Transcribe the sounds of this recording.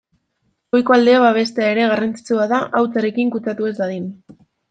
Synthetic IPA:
ojko̞ald̪eaβaβ̞e̞st̪e̞aeɾe̞ɣarant͡si̥t͡suaðaʔawt͡saɾe̞kiŋkut͡sat̪uezd̪aðin

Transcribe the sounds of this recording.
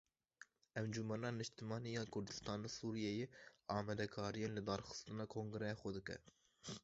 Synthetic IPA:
ɛmd͡ʒumɛnɑːnɨʃt̪ɨmɑːnijɑːkʰʊɾd̪ɨ̥st̪ɑːneːsuːɾijejeɑːmɛd̪ɛkʰɑːɾijeːnlɨd̪ɑːɾxɨ̥st̪ɨnɑːkʰoŋɡɨɾɛjɑxʷɛd̪ɨkɛ̰

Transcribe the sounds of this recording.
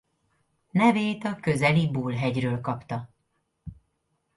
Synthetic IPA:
nɛveːt̪ɒkø̞zɛlibuːlɦɛɟrøːlkɒpt̪ɒ

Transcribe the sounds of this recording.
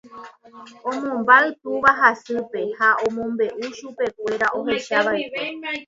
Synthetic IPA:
õ̞mõmbaɨt̪uʋaɦasɨpe̞haʔõmõ̞mbe̞ʔuʃupe̞kʷe̞ɾaʔo̞ɦe̞ʃaʋaeke

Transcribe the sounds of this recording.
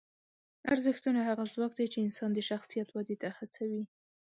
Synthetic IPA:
aɾzɪxt̪unaɦaɣazwɑk̚d̪ajt͡ʃeɪnsɑnd̪əʃaxsijat̪wad̪et̪ahat͡sawi

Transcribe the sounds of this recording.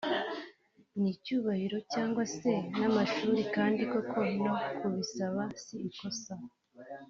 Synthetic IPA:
nicuːβahiɾo̞caːŋɡwase̞namaʃuːɾikaːndiko̞kʰo̞nokuβisaβasiːko̞sa

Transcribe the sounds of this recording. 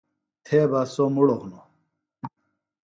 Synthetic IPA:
t̪ʰeːbasomuɽoʁno

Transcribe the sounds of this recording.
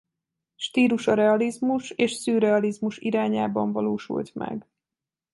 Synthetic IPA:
ʃt̪iːluʃɒɾɛɒlizmuʃeːʃsyːɾɛɒlizmuʃiɾaːɲaːbɒɱvɒloːʃṵlt̪mɛ̰ɡ

